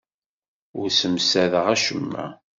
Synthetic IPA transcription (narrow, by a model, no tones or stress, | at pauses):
ʊɾsəmsæðəʁæʃəmːæ̰